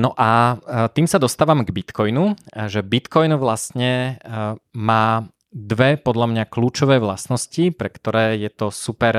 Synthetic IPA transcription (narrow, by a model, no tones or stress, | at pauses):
nɔʔat̪iːmsad̪ɔst̪aːʋamɡbit̪kɔjnuʒɛbit̪kɔjnuʋlast̪ɲɛ | maː | d̪ʋɛpɔd̪ʎamɲakluːt͡ʃɔʋɛːʋla̰snɔscipɾɛkt̪ɔɾɛːjɛt̪ɔsupɛɾ